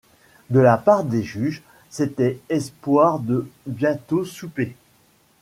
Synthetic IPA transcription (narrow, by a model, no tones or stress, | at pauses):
d̪əlapaʁd̪eʒyʒ | set̪ɛɛspwaʁd̪əbjɛ̃t̪osupe